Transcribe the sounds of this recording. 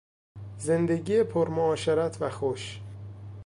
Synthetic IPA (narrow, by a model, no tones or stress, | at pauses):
ze̞nd̪eɟiːjepʰoɾmoɒːʃeɾæt̪ʰvæxoʃ